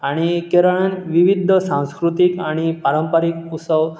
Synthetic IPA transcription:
aɽ̃ikeɾəɭənʋiʋid̪ʱəsãw̃skɾut̪ikaɽ̃ipaɾəmpəɾik̚ut̪səʋ

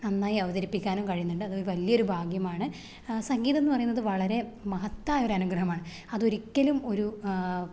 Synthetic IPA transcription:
nɐnːaːjiɐʋɐðɐɾipːikʲːaːnumkɐɻijunːuɳɖɨɐðɨo̞ɾuʋɐlijɐo̞ɾubʱaːɡjɐmaːɳɨ | sɐŋɡiːðɐenːupɐrɐjunːɐðɨʋɐɭɐɾe̞mɐɦɐt̪ːaːjo̞ɾɐnuɡrɐɦɐmaːɳɨ | ɐðo̞ɾikʲːɐlumo̞ɾu

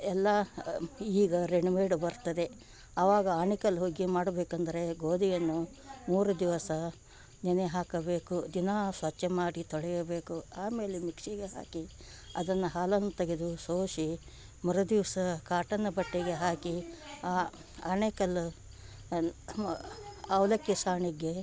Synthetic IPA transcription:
ɛlːɐ | iːɡɐɾeɳuʋeːɽubɐɾt̪ɐd̪e̞ | ɐʋaːɡɐaːɳekɐlɦoɡimaːɽɐbeːkɐnd̪ɐɾe̞ɡoːd̪ijɐnːu | muːɾɐd̪iʋɐsɐ | nɐneɦaːkɐbe̞ːkud̪inasʋɐt͡ʃːemaːɽit̪ɔɭɛjɐbeːkuaːme̞ːlemikʂiɡeɦa̰ːki | ɐ̰d̪ɐnːɐɦaːlɐlnut̪ɐɡed̪usoːʂi | mɐɾɐd̪iʋɐsɐkaːʈɐnːɐbɐʈːiɡe̞ɦaːkiaː | aːɳekɐlːu | ɐwlɐkːisaːɳiɡe

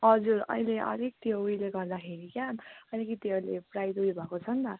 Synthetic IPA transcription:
ɦʌd͡zurʌ̰ileʔʌ̰ɾek̚t̪oujleɡʌrd̪akʰeɾikjaʌjnekit̪jʌleprajd̪uibʱʌkot͡sʰʌnt̪ʌ

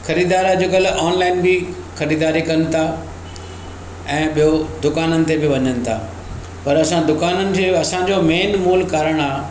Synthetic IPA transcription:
xɐɾiːd̪aːɾad͡ʑokɐlʔɔːnlaːɪnbɪ | xɐɾiːd̪aːɾikɐnɪ̆t̪ʰa | ɛ̃ːɓijod̪ʊkaːnənɪ̆t̪ebɪʋɐɲənɪ̆t̪ʰa̰ː | pɐɾɐsãd̪ʊkaːnənɪ̆d͡ʑeɐsãd͡ʑomeːnmuːlkaːɾəɽ̃aː

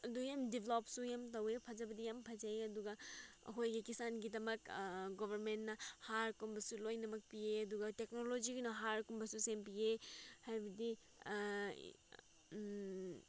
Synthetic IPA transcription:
ɐdujamdibʱelopsujamtɐwepʰɐd͡ʒɐbɐdijampʰɐd͡ʒajɐduɡɐɦojɡikisanɡidɐmɐkɡobʱɐɾmentnɐhaɾkumbɐsulojnɐmɐk̚pieɐduɡɐteknolod͡ʒiɡunɐɦaɾkumbɐsusempiehajbɐdi

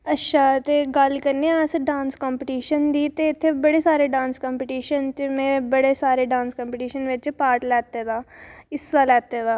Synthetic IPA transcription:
ətːʃʰaːt̪eːɡəlkəɾneãsɖãːnskɔːmpəʈiːʃənd̪iːt̪eɪt̪ʰːeːbəɽeːsaːɾeːɖãːnskɔ̃ːmpəʈiːʃənt̪emɛ̃ːbəɽeːsaːɾeːɖãːnskɔ̃ːmpəʈiːʃənʋɪt͡ʃpaːɾʈlɛːt̪eːd̪aːɪsaːlɛːt̪ed̪aː

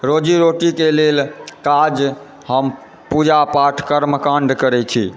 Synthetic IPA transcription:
ɾod͡ʒiɾoʈikelelkad͡ʒ | ɦəm | pud͡ʒapaʈʰkəɾməkaɳɖkəɾɛt͡ʃʰi

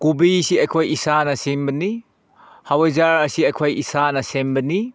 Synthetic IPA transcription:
kubisiɐjkʰojisanɐsimbɐni | hawɐjzaɾɐsiɐjkʰojʔisanɐsembɐni

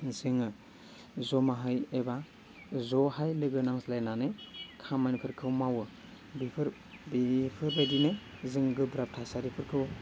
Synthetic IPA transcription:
zɯŋɯ | zomaɦajeba | zohajlɯɡɯnaŋslajnanekʰamajnpʰɯɾkʰɯwmawɯ | bipʰɯɾ | bipʰɯɾbajdinezɯŋɡɯbɾap̚tʰasaɾipʰɯɾkʰɯw

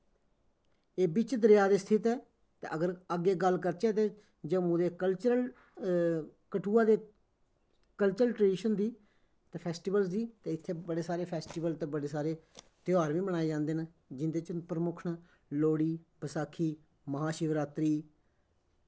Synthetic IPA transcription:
eːbit͡ʃd̪əɾɪjaːd̪eːst̪ʰɪt̪ɛː | t̪ḛːʔəɡəɾəɡːeːɡəlkəɾt͡ʃeːt̪eː | d͡ʒəmũːd̪eːkəlt͡ʃəɾl | kəʈʰuːãːd̪eː | kəlt͡ʃəɾəlʈɾeːɖiːʃənd̪iː | t̪eːpʰɛːsʈiːbəlsd̪iːt̪eːɪt̪ʰːeːbəɽeːsaːɾeːpʰɛːsʈiːʋəlt̪eːbəɽeːsaːɾeː | t̪ɪjaːɾʋĩːbəɽ̃aːeːd͡ʒãːnd̪eːna | d͡ʒɪnd̪eːt͡ʃpɾəmʊkʰɳaː | loːɽiːpəsaːkʰːiː | məɦaːʃɪʋɾaːt̪ɾiː

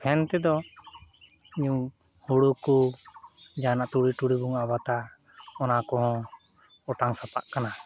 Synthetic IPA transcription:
pʰɛnt̪ɛd̪ɔ | iɲuŋ | huɽuku | d͡ʒanaʔt̪uɽiʈuɽibuŋabat̪a | ɔnakɔhɔ̃ | ɔʈaŋsapa̰ʔkana

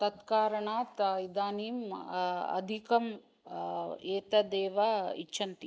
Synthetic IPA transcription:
t̪ɐt̪kaːɾɐɳaːt̪id̪aːniːm | ɐ̰d̪ʱikɐm | eːt̪ɐd̪eːʋɐḭt͡ʃːʃʰɐnt̪i

